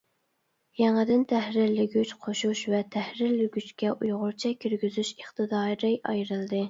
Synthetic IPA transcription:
jɛŋɨd̪ɪnt̪ʰæhɾɪɾlɪɡʲyt͡ʃqʰoʃuʃvɛt̪ʰɛhɾɪɾlɪɡʲyt͡ʃkʲɛʔujʁʊɾt͡ʃʰɛkʲʰːyɾɡʲyzyʃəχt̪ɨd̪ɑːɾɨʔɑ̰jɾɨlˠd̪ɨ

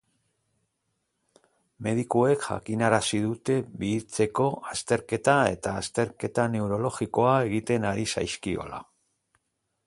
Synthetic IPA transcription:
me̞ðikue̞kʝa̰kinaɾasiðut̪e̞βiːt͡se̞ko̞ast̪e̞ɾke̞t̪ae̞̰t̪aːst̪e̞ɾke̞t̪ane̞uɾo̞lo̞ɣiko̞ae̞ɣit̪e̞naɾisa̰jskio̞̰la̰

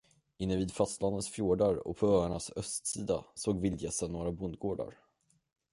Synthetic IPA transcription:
ɪnːəviːd̪fast̪lanənsfjuːɖaɾɔ̰pʰɔœːaɳasœst̪siːd̪a̰soːɡvɪljɛsənːoːɾabʊnd̪̚ɡoːɖa̰ɾ

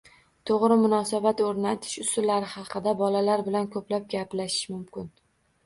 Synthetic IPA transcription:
t̪ʰoʁɾɪmʊnɒsabat̪oɾnat̪ʰɪ̥ʃʊsʊlːaɾɪhɑqʰɨd̪abɒlalaɾbɪlankʰɵplap̚ɡʲaplaʃɪ̥ʃmʊmkʲɪn

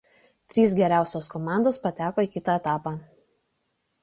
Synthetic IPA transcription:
t̪ʲɾʲiːs̬ɡʲɛɾʲæˑʊsʲoːskɔmɑˑnd̪oːspɐt̪ʲæːkoːiːˑkʲɪt̪ɑˑɛt̪ɑːpɑː

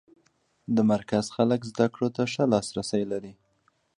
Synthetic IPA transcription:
d̪əmaɾkazxaləkzd̪akɽot̪aʂəlɑsɾasəjlaɾi

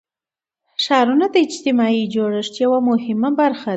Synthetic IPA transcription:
ʃɑɾunad̪əɪd͡ʒt̪ɪmɑid͡ʒoɽəʂt̪jawamʊhɪmabaɾxa

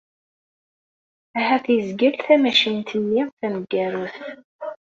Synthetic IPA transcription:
æhæθjəzɡəlθæmæʃint̪ənːɪʁθæməɡːæɾʊθ

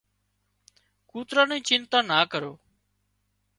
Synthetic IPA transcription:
kuːt̪ɾãːnĩːt͡ʃɪnt̪ãːnaːkəɾoː

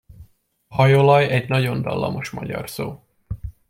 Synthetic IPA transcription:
hɒjolɒjɛɟnɒɟo̞nd̪ɒlːɒmo̞ʃmɒɟɒ̰rsoː

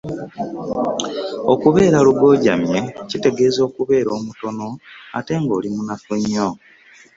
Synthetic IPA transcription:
okuβe̞ːɾaluɡo̞ːɟa̰mje̞cite̞ɡe̞ːzo̞ːkuβe̞ːɾo̞ːmuto̞no̞a̰te̞ŋɡo̞ːlimunafuɲːo

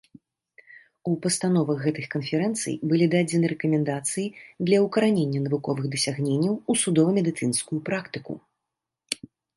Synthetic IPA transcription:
upɐst̪anɔvɐɣːɛt̪ɨxkɐnfʲɛɾɛnt̪sɨ̰jbɨlʲid̪ad͡zʲɛnɨɾɛkɐmʲɛnd̪at̪sɨjid̪lʲɐwkɐɾanʲenʲːɐnɐvukɔvɨɣd̪ɐsʲaɣnʲenʲːɐwusud̪ɔvɐmʲɛd̪ɨt̪sɨnskujupɾakt̪ɨkṵ

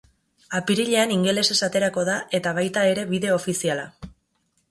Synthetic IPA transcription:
apiɾiʎe̞aniŋɡe̞le̞se̞sat̪e̞ɾako̞ðaʔe̞t̪aβ̞ajt̪ae̞ɾe̞βiðe̞o̞fisiala

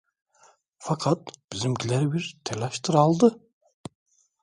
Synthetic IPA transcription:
fakʰat̪b̥izimɟʰilʲɛɾibiɾt̪ʰɛlʲaʃt̪ʰɯɾalˠd̪ɯ

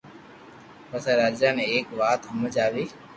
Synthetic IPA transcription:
pəsẽːɾaːd͡ʒaːnẽːeːkʋaːt̪ɦəməd͡ʒaːʋiː

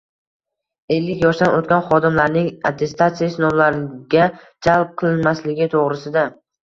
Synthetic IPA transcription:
e̞lːɪkʲjɒʃd̪anot̪̚kʲanχɒd̪ɪmlaɾnɪŋat̪ʰːe̞st̪at̪sijasɪnɒmlaɾɪɡʲad͡ʒalˠp̚qʰɨlˠɪnmaslɪɡʲɪt̪ʰoʁɾɪsɪd̪a

